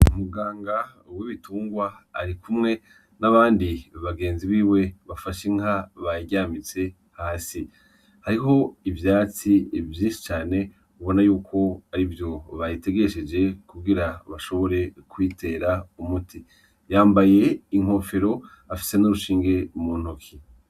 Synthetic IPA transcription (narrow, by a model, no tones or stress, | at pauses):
umuɡaːŋɡa | wiβituːŋɡwaːɾikumŋe̞ | naβaːndiβaɡe̞ːnziβiːwe̞βafaʃeŋ̥aβaɟaːmit͡se̞ | haːsi | haɾiɦo̞ivjaːt͡sivjiːnʃi̥t͡ʃaːne̞ | uβo̞najuːkʰo̞aɾivjo̞βajite̞ɡe̞ʃed͡ʒe̞kuɡiɾaβaʃo̞βo̞ɾe̞kwiːte̞ːɾaumutʰi | jaːmbaje̞iŋ̥o̞fe̞ɾo̞ | afi̥se̞nuɾuʃiːŋɡe̞muːn̥okʰi